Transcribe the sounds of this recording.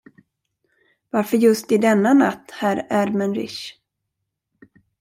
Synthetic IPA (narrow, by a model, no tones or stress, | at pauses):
vaɾfœəɾjɵst̪ɪd̪ɛnːana̰t̪ːhæɾæɾmɛnɾɪ̰ʂ